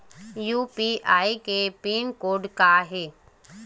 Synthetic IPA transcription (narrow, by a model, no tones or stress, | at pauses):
juːpiʔaːikepiːnkoːɖkaɦeː